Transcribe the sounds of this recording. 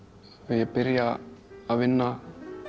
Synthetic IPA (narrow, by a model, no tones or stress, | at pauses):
vɪjɛpɪɾjaːvɪnːa